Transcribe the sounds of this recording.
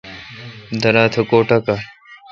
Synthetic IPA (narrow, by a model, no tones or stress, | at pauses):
d̪ɐɾaːt̪ʰɐkoːʈaka